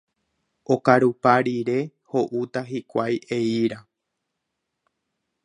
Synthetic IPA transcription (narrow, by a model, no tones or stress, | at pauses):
okaɾupaɾiɾe̞ | ho̞ʔut̪aɦikʷajʔeiɾa